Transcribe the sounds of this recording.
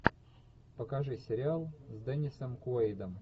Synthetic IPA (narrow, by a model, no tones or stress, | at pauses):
pəkaʐɨsʲɪɾʲɪalˠzʲd̪ɛnʲɪsəmkʊejd̪əm